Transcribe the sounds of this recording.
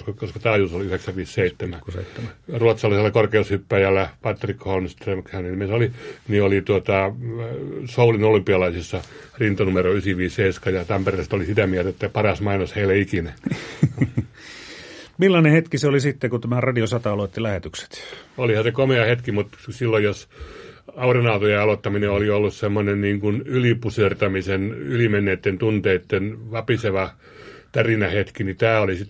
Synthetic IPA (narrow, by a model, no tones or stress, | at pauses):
kkoskɑt̪ɑːjusoliyheksæʋʋiːsseit̪ːemæ | ruɑt̪sɑlːiselːɑkorkeushypːæjælːæpɑt̪ːrikːholmst̪remkhæninmisoliniolit̪uot̪ɑ | soulinolympiɑlɑisisːɑ | rint̪onumeroysiʋiːsheiskɑjɑt̪ɑmperest̪olisit̪æmiæhlt̪æet̪ːæpɑrɑsmɑinosheilːeikinæ | milːɑnehet̪kiseolisit̪ːekut̪æmærɑdiosɑt̪ɑɑlot̪ːilæhet̪ykse̥t̪olihɑsekomeɑhet̪kimut̪silːojjos | ɑurinɑut̪ojeɑlot̪ːɑmineoliolːussemːonenniːŋkunylipusyørt̪æmisenylimenːeːt̪ːent̪unt̪eit̪ːenʋɑpiseʋɑ | t̪ærinæhet̪kinit̪æːolisit̪